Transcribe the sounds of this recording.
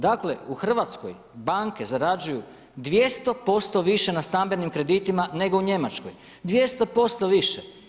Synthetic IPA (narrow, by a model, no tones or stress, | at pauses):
d̪akle̞uxr̩ʋat̪sko̰j | baŋke̞zaɾad͡ʒuju | d̪ʋjest̪o̞po̞st̪o̞ʋiʃe̞nast̪ambe̞nimkɾe̞d̪it̪imane̞ɡo̞uɲe̞mat͡ʃkoj | d̪ʋje̞st̪o̞po̞st̪oʋiʃe